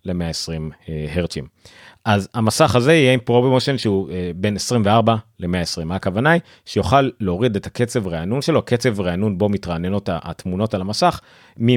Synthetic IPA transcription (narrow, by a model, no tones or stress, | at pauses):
le̞me̞aesʁimheʁt͡sim | ʔazamasaχaze̞ijeimpʁobmoʃonʃeuebe̞nesʁimveaʁbale̞me̞aesʁimaːkavanaj | ʃejoχalːeoʁid̪etake̞t͡sevʁeanunʃe̞lo̞aket͡se̞vʁeanunbo̞mitʁaneno̞taatmuno̞talamasaχ | mi